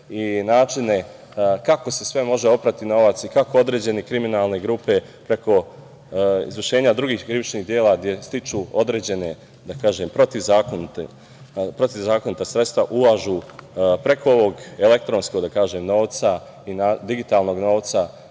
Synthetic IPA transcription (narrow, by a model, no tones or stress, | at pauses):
inaːt͡ʃine̞ | kako̞se̞sʋe̞mo̞ʒe̞o̞pɾat̪ino̞ʋat̪sikako̞od̪ɾe̞ːd͡ʑe̞nikɾiminaːlˠne̞ɡɾuːpe̞pɾe̞ko̞ | ḭzʋərʃe̞ːɲad̪ɾuɡiːxkɾiʋit͡ʃniːd̪jeːlaɡd̪je̞st̪it͡ʃuo̞d̪ɾeːd͡ʑe̞ne̞ | d̪akaːʒeːmpɾot̪izaːkont̪e | pɾot̪izaːko̞nit̪asɾet̪st̪ʋaʔulaʒuːpɾe̞kʰooʋo̞ɡele̞k̚t̪ɾo̞nsko̞ɡd̪akaːʒeːmno̞ːʋt̪sa | inaːd̪iɡit̪aːlˠno̞ɡno̞ːʋt̪sa